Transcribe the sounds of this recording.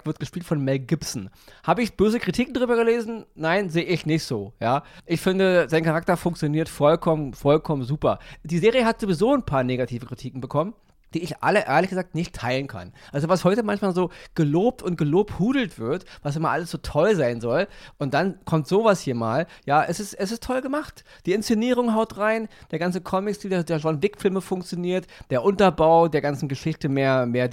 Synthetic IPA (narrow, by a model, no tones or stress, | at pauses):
vɪɐtɡ̥əʃpiːltfɔnmɛlɡɪpsn̩haːbəɪçb̥øːzəkʁ̥itʰiːkŋ̩dʁyːbɐɡəleːzn̩naɪnzeːəɪçnɪçtz̥oːjaːʔɪçfɪndəzaɪnkʰaʁak̚tɐfʊŋkt͡sjoniːɐtfɔlkʰɔmənfɔlkʰɔmənzuːpɐd̥iːzeːʁijəɦatz̥ovizoːnpʰaːɐneːɡatʰiːvəkʁ̥itʰiːkŋ̩bəkʰɔmən | d̥iːɪçʔa̰ləʔḛːɐlɪçɡ̥əzaːktnɪçtʰːaɪlənkʰa̰nʔalzovashɔʏtəmançmaːlzoːɡ̥əloːp̚tʊnt̚ɡ̥əloːp̚thuːdl̩tv̥ɪɐtvasɪmaʔaləsz̥oːtʰɔlzaɪnzɔlʔʊnt̚d̥ankʰɔmtz̥oːvashiːɐmaːljaːʔɛsɪstʔɛs̬ɪstʰɔlɡəmaχtd̥iːɪnst͡seniːʁ̞ʊŋɦaʊtʁaɪnd̥eːɐɡant͡səkʰɔmɪksd̥iːldeːɐdeːɐʒɔnvɪkfɪlməfʊŋkt͡sjoniːɐtd̥eːɐʔʊntɐbaʊdeːɐɡant͡sn̩ɡəʃɪçtəmeːɐmeːɐd